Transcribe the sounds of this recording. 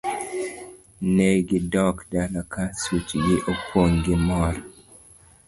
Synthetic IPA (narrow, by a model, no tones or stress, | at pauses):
neɡidɔkdalakasut͡ʃɡiʔɔpʰoŋɡimɔɾ